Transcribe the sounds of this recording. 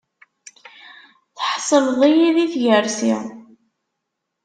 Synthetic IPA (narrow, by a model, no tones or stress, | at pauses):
θħsˤəlðˤijiðiθʝəɾsḭ